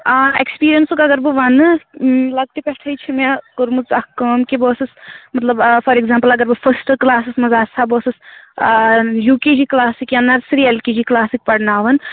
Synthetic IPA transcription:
aekspiːɾijɐnsukɐɡɐɾbɨʋɐnɨlɐɡ̚t̪ipeʈʰɐjt͡ʃʰimekoɾmut͡sɐhkəːmkeboːsɨsmɐt̪lɐbfʰɐɾeɡzãːmpɐlɐɡɐɾbɨfʰɐsʈklaːsɨsmɐzaːsʰaːboːsɨs | juːked͡ʒiklaːsikjanːɐɾsɾielkid͡ʒiklaːsik̚pɐɽnaːʋɐn

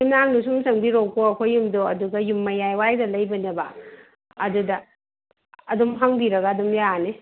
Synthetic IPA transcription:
umnaŋnusuŋsɐŋbiɾokoɐkʰojːumdoɐduɡɐjumːɐjajwajdɐlɐjbɐnɐbɐ | ɐdudɐː | dɔmɦaŋbiɾɐɡɐːdumjane

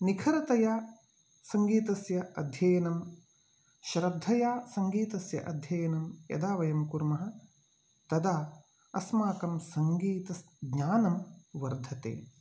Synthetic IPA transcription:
nikʰɐɾɐt̪ɐjaː | sɐŋɡiːt̪ɐsjɐɐd̪ʱjɐjɐnɐm | ʃɾɐd̪ʱːɐjaːsɐŋɡiːt̪ɐsjɐ̰ʔɐd̪ʱjɐjɐnɐmjɐ̰d̪aːʋɐjɐmkuɾmɐɦɐ̆ | t̪ɐd̪aː | ɐsmaːkɐmsɐŋɡiːt̪ɐs | ɡɲaːnɐmʋɐɾd̪ʱɐt̪ḛː

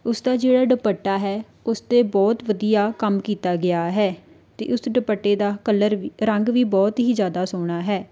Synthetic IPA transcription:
ʊsd̪aːd͡ʒeːɽaːɖəpəʈːaːɦɛː | ʊst̪eːbɔːt̪ʋəd̪ijaːkəmkiːt̪aːɡɪaːɦɛː | t̪ḛːʔʊsɖəpəʈːeːd̪aːkələɾʋiɾəŋɡʋiːbɔːt̪ɦiːzjaːd̪aːsoːɽ̃aːɦɛː

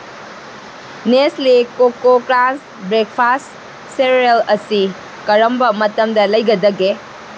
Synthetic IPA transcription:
neslikokokɾans | bɾek̚pʰast | seɾelɐsi | kɐɾɐmbɐmɐtɐmdɐlɐjɡɐdɐɡe

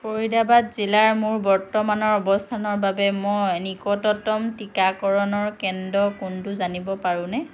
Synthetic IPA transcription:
poɹidabatzilaɹmʊɹbɔɹtɔmanɔɹɔbɔstʰanɔɹbabɛmɔjnikɔtɔtɔmtikakɔɹɔnɔɹkɛndɔkʊntʊzanibɔpaɹʊ̃nɛ

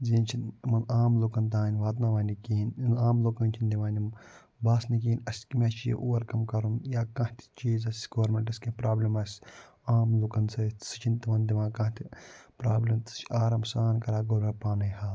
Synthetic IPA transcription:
zeːnt͡ʃʰinmɐnaːmloːkɐnt̪̬ãːnʲʋaːt̪naːʋaːnʲikiːnaːmloːkɐnt͡ʃʰind̪iʋãːnʲim | baːsnik̬iːnʲɐsʲkimʲet͡ʃʰjḛʔoːɐɾkɐmkɐɾunjaːkãːt̪ʲʰi̥t͡ʃiːzɐsʲɡoːɾmʲeɳʈɐsʲkɐ̃pɾaːblɐmɐsʲ | aːmloːkɐnsɐsɨ̥t͡ʃʰint̪imɐnd̪iʋãːkãːt̪ʲʰipɾaːblɐmt̪ɨ̥t͡ʃaːɾɐmsaːnkɐɾaːɡoɾɾɐpaːnɐjhaː

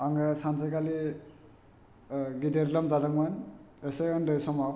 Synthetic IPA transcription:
aŋasansajkali | ɡideɾlɔmzadaŋman | esejɯndɯjsɔma

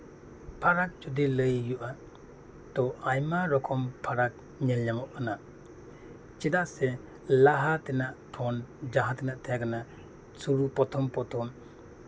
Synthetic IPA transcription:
pʰaɾak̚d͡ʒudilɯjːuʔa | d̥ɔʔajmaɾɔkʰɔmpʰaɾak̚ | ɲɛlɲamɔʔana | t͡ʃidaʔsɛ | laɦat̪ɛnaʔpʰɔnd͡ʒaɦat̪ɛnaʔt̪ʰajaɡana | suɾupɔt̪ʰɔmpɔt̪ʰɔm

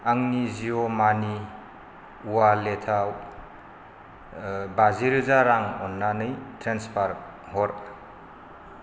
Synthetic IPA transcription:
aŋniziɔmani | uwaletʰa | baziɾɯzaɾaŋɔnːanɯjtɾenspʰaɾ | hɔɾ

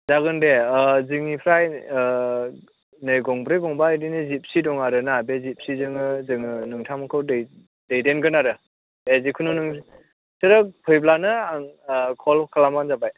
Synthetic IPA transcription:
zaɡɯndezɯŋipʰɾaj | nɯjɡɔŋbɾɯjbɔŋbadinɯzip̚sidɔŋaɾɯnabezip̚sizɯŋɯzɯŋɯnɯŋtʰamakʰɯwdɯj | dejdenɡɯnaɾɯ | ezikʰɯnunɯŋ | sɯɾɯk̚pʰɯjblanɯaŋkʰɔlkʰalamanzabaj

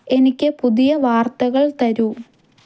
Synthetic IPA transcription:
e̞nikʲːɨpuðijɐʋaːrt̪ɐɣɐɭt̪ɐɾu

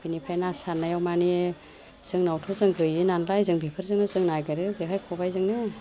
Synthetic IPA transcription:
b̥inipʰajnasanːajawmani | z̥ɯŋnawtʰɔzɯŋɡɯjinanlajzɯŋbʱepʰɯɾzɯŋnɯzɯŋnajɡaɾɯzekʰajkʰɔbajzɯŋnɯ

